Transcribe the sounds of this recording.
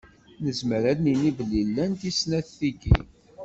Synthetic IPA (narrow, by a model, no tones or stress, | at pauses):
nəzməɾænninivəlːilːænt̪isnæθθiɡḭ